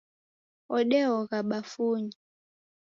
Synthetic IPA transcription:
ɔɗɛɔɣaɓafuɲi

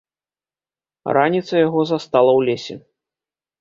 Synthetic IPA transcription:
ranʲit̪sɐjaɣɔzast̪alˠɐwlʲesʲɛ̰

